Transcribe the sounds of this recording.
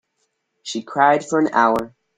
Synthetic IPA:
ʃikʰɹ̥aɪd̥fə˞ɨ̃na̰ʊə˞

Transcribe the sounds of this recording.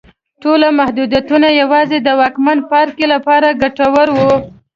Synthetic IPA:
ʈolamahd̪ud̪jat̪unajawɑzed̪əwɑkmanpɑɾkelapɑɾaɡaʈawaɾwu

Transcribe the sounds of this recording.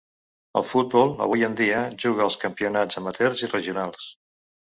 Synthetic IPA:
ə̰lˠfut̪̚bɔlˠə̰βujənd̪iəʒuɣ̞əːlˠskəmpiunad͡zəmət̪ɛɾzirəʒiunalˠs

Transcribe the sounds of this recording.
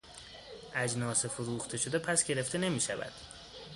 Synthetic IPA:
ʔæd͡ʒnɒːsefoɾuːxt̪ʰe̞ʃo̞d̪epʰæsɡe̞ɾe̞ft̪ʰene̞miːʃævæ̰d̪̥

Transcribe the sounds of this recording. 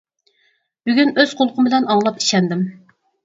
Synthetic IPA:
b̥yɡʲynøz̥qʰolˠqʰʊmbɪlɛnɑŋlˠɑpi̥ʃɛnd̪ɪm

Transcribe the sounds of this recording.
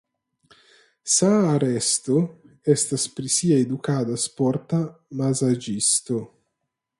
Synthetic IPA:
saːɾɛst̪o | ɛst̪aspɾisiːaed̪ukaːd̪aspɔɾt̪amazad͡ʒist̪o

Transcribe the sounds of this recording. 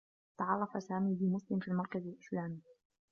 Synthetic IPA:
t̪ɑʕɑrˤːɑfasaːmiːbɪmʊslɪmfiːlmɑɾˤkazalʔɪslaːmiː

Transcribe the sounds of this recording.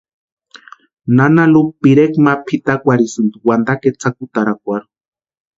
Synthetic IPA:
nanalupiɾekmapʰit̪akʷaɾisɨnd̪uwand̪aket͡sʰakut̪aɾak̚ʷaɾu̥

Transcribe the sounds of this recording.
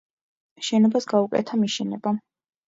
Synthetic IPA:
ʃɛnɔbasɡaukʼɛ̰t̪ʰamiʃɛnɛba

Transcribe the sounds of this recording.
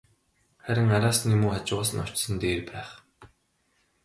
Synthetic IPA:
χæɾʲɪ̆ŋaɾaːsnimuːat͡ɕɪasə̆nɔ̥t͡ɕsə̆nt̪eːrpæːχ

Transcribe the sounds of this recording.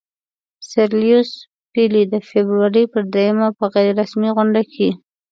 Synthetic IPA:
saɾlijʊs | pilid̪əfebɾuwaɾəpəɾd̪ɾejəmapəɣajɾɾasmiɣʊɳɖakʰe

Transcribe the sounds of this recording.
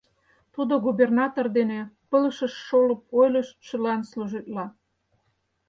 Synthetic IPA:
t̪ud̪oɣubernɑt̪ord̪enepəlʃə̆ʃːolɤ̆p̚ojləʃʃə̆lɑnsluʒit̪lɑ

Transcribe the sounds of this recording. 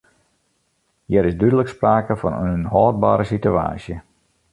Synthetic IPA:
jɛɾɪszdydələkspraːkəfɔ̰nənɦɔːd̚baːɾəsitya̰ːsjə

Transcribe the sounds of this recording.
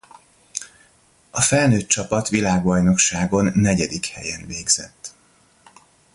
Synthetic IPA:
ɒfɛlnøːt̪̚t͡ʃɒpɒt̪ʋilaːɡbɒjno̞kʃaːɡo̞nːɛɟɛd̪ikhɛ̰jɛnveːɡz̥ɛ̰t̪ː

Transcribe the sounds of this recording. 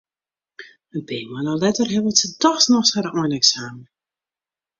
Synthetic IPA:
əbeːmanalɛtərɦɛʋətsətɔxsnɔxshaɾɔjnɛksaːmə

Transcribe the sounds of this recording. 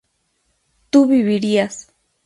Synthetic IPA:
t̪uβiβiɾias

